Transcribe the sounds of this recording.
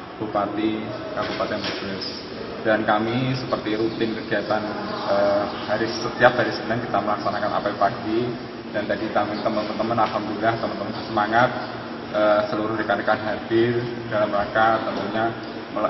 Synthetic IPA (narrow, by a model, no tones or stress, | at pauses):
b̥upat̪i | kabupat̪ibublɪs | d̥ankamisəpərt̪iɾut̪ɪnkəɡiat̪anəhaɾisət̪iap̚daɾisəbnaŋkit̪aməlaksanakanʔa̰papaɡi | dant̪adit̪amɪnt̪əmənpənt̪əmənalɦamduilaht̪əmənt̪əmənsəmaŋat̪̚ | ʔəːsəluɾʊhdəkanəkanɦadɪr | d̥alamɾakat̪əmuɲa | mə